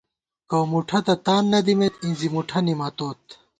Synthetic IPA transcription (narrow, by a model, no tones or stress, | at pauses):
kɐwmuʈʰɐt̪ɐt̪aːnːɐd̪imet̪ĩzimuʈʰɐnimɐt̪oːt̪̚